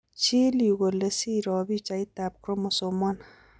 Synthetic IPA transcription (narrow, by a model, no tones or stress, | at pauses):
t͡ʃiliɣolesiɾɔbit͡ʃait̪ap̚kɾomosomɔn